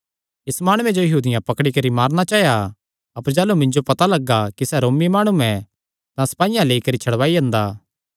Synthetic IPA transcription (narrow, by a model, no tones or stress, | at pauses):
ɪsmaːɽ̃ʊwẽd͡ʒojɐɦuːd̪ɪjãpɐkɽikɐɾimaːɾnat͡ʃaːɦeja | ɐpəɾd͡ʒaːlumɪ̃ɲd͡ʒopɐt̪alɐɡakisɛɾoːmimaːɽ̃uɛ̃ | t̪ãsɐ̥paːɪjãleːikɐɾit͡ʃʰɐɽʋaːiɐ̃ːnd̪aː